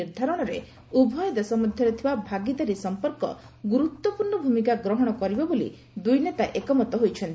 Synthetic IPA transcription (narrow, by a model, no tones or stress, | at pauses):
iɾd̪ʱaɾɔɽ̃ɔɾe | ubʱɔjɔd̪esɔmɔd̪ʱjɔɾet̪ʰibabʱaɡit̪aɾisɔmpɔɾkɔ̰ | ɡuɾut̪wɔpuɾɳɔbʱumikaɡɾɔɦɔɽ̃ɔkɔɾibɔbolḭ | d̪ujnet̪aʔekɔmɔt̪ɔɦojt͡ʃʰɔnt̪